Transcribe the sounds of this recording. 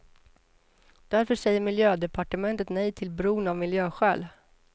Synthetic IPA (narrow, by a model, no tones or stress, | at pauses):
d̪̥æɾfœʂɛjːəɾmɪljøːd̪ɛpʰaʈəmɛnt̪ət̪nɛjt̪ʰɪlbɾuːnavmɪljøːɧæːl